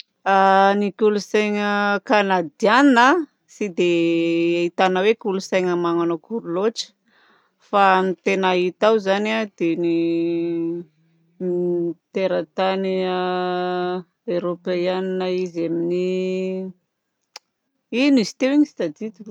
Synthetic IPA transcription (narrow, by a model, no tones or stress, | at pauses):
anikulusajŋəkanad̪ianina | sid̪eait̪anəwekulusajŋəmaŋanokuɾuloʈ͡ʂə̥ | fanit̪enait̪awzanad̪̥eni | mit̪eɾət̪aniə | eɾopajaninaizamini | inizi̥t̪ewiɲisi̥t̪ad̪it̪u